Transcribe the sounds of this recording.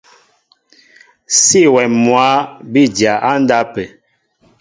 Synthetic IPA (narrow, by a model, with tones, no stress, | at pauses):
si˦˨wɛ˨mːwa˨˦bi˦˨dja˨ʔa˦n˦da˦pɛ˨